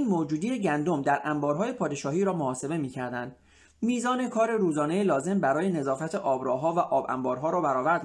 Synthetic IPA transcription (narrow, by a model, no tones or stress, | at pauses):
nmoːd͡ʒuːd̪ijeɟænd̪o̞md̪æɾʔæmbɒːɾɦɒːje̞pʰɒːd̪e̞ʃɒːhiːɾɒːmohɒːse̞be̞miːcʰæɾd̪ænd̪̥ | miːzɒːne̞kʰɒːɾe̞ɾuːzɒːne̞jelɒːze̞mbæɾɒːje̞ne̞zɒːfæt̪ʰeʔɒːbɾɒːɦɒːvæʔɒːbæ̰mbɒːɾɦɒːɾɒːbæɾɒːvæɾd̪